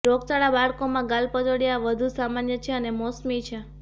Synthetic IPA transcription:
ɾoɡt͡ʃaɭabaɭkomãɡalpəd͡ʒ̪oɽjaʋəd̪ʱusamanjət͡ʃʰeənemɔsmit͡ʃʰe

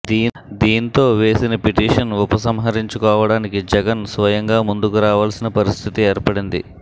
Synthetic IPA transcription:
d̪iː | d̪iːnt̪o̞ːʋe̞ːsinɐpiʈiːʂɐnɔpɐsɐmɦɐɾiɲt͡ʃukɔːʋɐɽaːnikid͡ʒɛɡɐnsʋɐjɐŋɡaːmund̪ukuɾaːʋaːlɐsinɐpɐɾist̪ʰit̪ieːɾpɐɽind̪ḭ

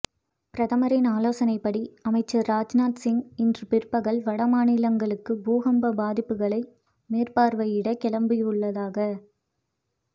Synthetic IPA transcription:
pɪɾɐðɐmɐɾɪnaːloːsɐnɐɪpːɐɽiɐmɐɪt͡ʃːɐɾaːd͡ʒnaːʈ̪sɪŋɪndrɯpɪrpːɐɣɐɭʋɐɽɐmaːnɪlɐŋɡɐɭɯkːɯbuːɣɐmbɐbaːðɪpːɯɣɐɭɐɪ | meːrpaːɾʋɐɪjɪɽɐkːɛɭɐmbɯjʊɭːɐðaːɣɐ

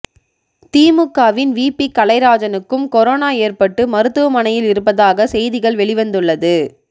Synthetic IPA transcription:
t̪iːmɯkːaːʋɪnʋiːpːikːɐlɐɪɾaːd͡ʒɐnɯkːɯmkɔɾoːnaːeːrpɐʈːɯmɐɾɯt̪ːɯʋɐmɐnɐjɪlɪɾɯpːɐðaːɣɐsɛjðɪɣɐɭʋɛɭɪʋɐnd̪ɯɭːɐðɯ

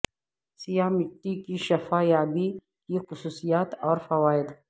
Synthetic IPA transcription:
sijaːmɪʈːikiʃɐfaːjaːbi | kixʊsuːsijaːt̪ɔːɾfɐwaːɪd̪

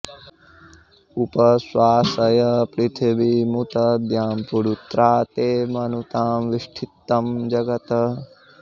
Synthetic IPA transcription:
upɐswaːsɐjɐpɾit̪ʰibimut̪ɐd̪jaːmpuɽut̪ɾaːt̪eːmɐnut̪aːmʋiʂʈʰit̪ːɐmd͡ʒɐɡɐt̪ɐ

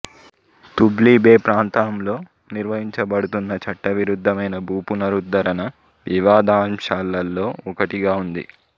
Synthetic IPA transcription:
t̪ubliːbe̞ːpɾaːnt̪aːmlo̞ː | niɾʋɐɦiɲt͡ʃɐbɐɽut̪unːɐt͡ʃɐʈːɐʋiɾud̪ʱːɐmɐjnɐbʱuːpunɐɾud̪ɐɾɐnɐ | ʋiʋaːd̪aːmʃaːlːɐlːo̞ːɔkɐʈiɡaːund̪ḭ

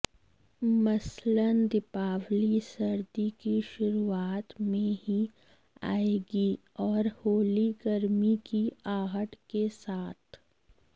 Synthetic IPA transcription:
mɐslənd̪ɪpaːʋlisɐɾd̪ikiʃʊɾuaːt̪mẽɦi | a̰ːeːɡi | ɔːɾhoːliɡɐɾmikiaːɦəʈkesaːt̪ʰ

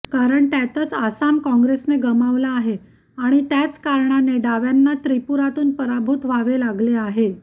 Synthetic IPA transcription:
kaɾəɳt̪jat̪ət͡sasamkɔ̃ŋɡɾesneɡəmaʋlaːɦe | aɽ̃it̪jat͡skaɾɳaneɖaʋjanːat̪ɾipuɾat̪uːnpəɾabʱuːt̪ʋaʋelaɡleaɦe

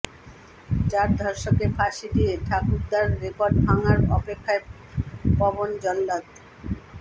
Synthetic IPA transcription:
t͡ɕaɾd̪ʱɔɾʃokefʰaʃid̪ieʈʰakuɾd̪aɾːekoɾɖbʱaŋaɾɔpekʰːae | pɔbond͡ʑɔlːat̪

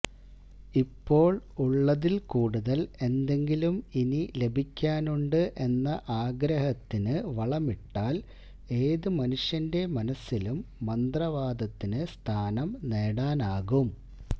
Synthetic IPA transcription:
ipːo̞ːɭuɭːɐðilkuːɽuðɐle̞nd̪e̞ŋɡiluminile̞bʱikʲːaːnuɳɖɨʔe̞nːɐʔaːɡɾɐhɐt̪ːinɨʋɐɭɐmiʈːaːl | e̞ːðɨmɐnuʂjɐnde̞mɐnɐsːilumːɐnd̪rɐʋaːd̪ɐt̪ːinɨst̪ʰaːnɐmneːɽaːnaːɣum

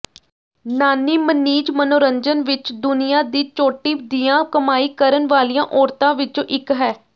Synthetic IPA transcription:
naːniːməniːd͡ʒmənoːɾəɲd͡ʒənʋɪt͡ʃd̪ʊnɪjaːd̪iːt͡ʃoːʈiːd̪iːãːkəmaːiːkəɾənʋaːlijãːʔɔːɾt̪ãːʋɪt͡ʃõːʔɪkɦɛː

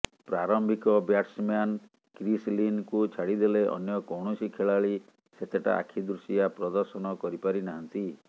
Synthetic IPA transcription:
pɾaɾɔmbʱikɔbjaʈsmjan | kɾislinkut͡ʃʰaɽid̪eleʔɔ̰njɔkɔwɳɔsikʰeɭaɭi | set̪ʰeʈa̰a̰kʰid̪ɾusijapɾɔd̪ɔɾsɔnɔkɔɾipaɾinaɦɔnt̪i

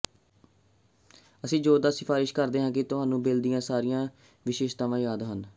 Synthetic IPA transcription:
əsĩːd͡ʒoːd̪aːsɪpʰaːɾɪʃkəɾd̪eːɦãːkɪt̪ʊɦaːnũːbeːld̪ɪjãːsaːɾɪjãː | ʋɪʃeːʃt̪aːʋãːjaːd̪ɦən

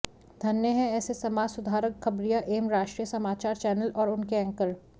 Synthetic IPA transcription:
d̪ʱɐnjəɦɛ̃ɛːsesɐmaːd͡ʒsʊd̪ʱaːɾəkxɐbɾijaʔeːmɾaːʃʈɾijəsɐmaːt͡ʃaːɾt͡ʃɛːnəlʔɔːɾʊnkeɐ̃ŋkəɾ

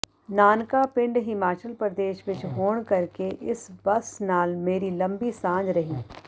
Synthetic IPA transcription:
naːnkapɪ̃ɳɖɦɪmaːt͡ʃəlpɾəd̪eːʃʋɪt͡ʃɦoːɽ̃kɐɾkeʔɪsbɐsnaːlmeːɾilɐ̃mbisãːd͡ʒɾɐɦiː

